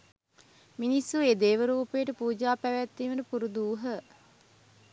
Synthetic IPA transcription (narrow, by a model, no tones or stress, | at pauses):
minisːueːd̪eːʋəɾuːpejəʈəpuːd͡ʒaːpæʋæt̪ːiːʋəʈəpuɾud̪uːɦə